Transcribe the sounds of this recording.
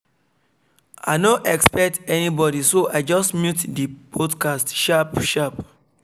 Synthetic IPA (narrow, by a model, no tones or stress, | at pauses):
a̰ɪnõʔɛkspɛk̚tɛnibɔdisoaɪd͡ʒɔstmjutdipɔdkastʃapʃap